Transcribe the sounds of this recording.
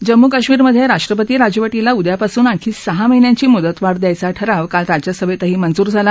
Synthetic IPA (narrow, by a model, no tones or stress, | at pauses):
d͡ʑəmːukaɕmiːɾməd̪ʱːjeɾaʂʈɾəp̬ət̪iːɾad͡ʑəʋəʈilaud̪japasuːnakʰiːsəɦaməɦinjãɲt͡ɕiːmud̪ət̪ʋaɽd̪jajt͡saʈʰəɾaʋkalɾad͡ʑjasəʋet̪əɦiːmənd͡zuːɾd͡zʱala